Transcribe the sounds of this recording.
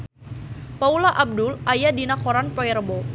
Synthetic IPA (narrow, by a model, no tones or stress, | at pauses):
paulaʔab̚dʊlʔajadinakoɾanpɔɛrbo